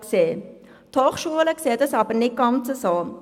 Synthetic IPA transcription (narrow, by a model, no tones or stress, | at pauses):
kseː | t̪ʰɑːχʃuələksɛːdəsɐbənɪkːɑmt͡səsɑː